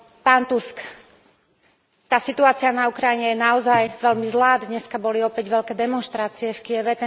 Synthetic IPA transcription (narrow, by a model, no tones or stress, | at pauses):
paːnt̪usk | t̪aːsit̪uaːt͡sianaukɾajiɲɛjɛnaɔzajʋɛʎmizlaːd̪ɲɛskabɔliɔpɛɟʋɛʎkɛːd̪ɛmɔnʃt̪ɾaːt͡siɛfkijɛʋɛt̪ɛ